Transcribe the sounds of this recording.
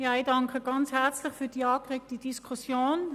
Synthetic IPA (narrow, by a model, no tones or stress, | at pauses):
jɑːidɑŋkʰəɡ̥ɑnt͡shɛʁt͡slɪχfyːɐd̥iːɑːkʁek̚təd̥iskʰusjoːn